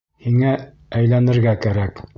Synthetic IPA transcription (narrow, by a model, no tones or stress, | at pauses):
hiŋæ | æjlænɘ̆ɾɡækæɾæk